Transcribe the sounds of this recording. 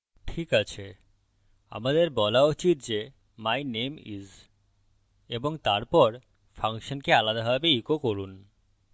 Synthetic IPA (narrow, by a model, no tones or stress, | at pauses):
ʈʰikat͡ɕʰe | a̰mad̪eɾbɔlaot͡ɕit̪̚d͡ʑe | majnemiz | eboŋt̪aɾpɔɾ | faŋkʃonkealad̪aɦɔbeikokoɾun